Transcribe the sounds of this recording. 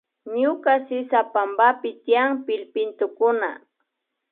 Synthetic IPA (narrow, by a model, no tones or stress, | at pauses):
ɲʊkasɪsapambapɪt̪ɪjaŋpɪʎpɪnt̪ʊkʊna̰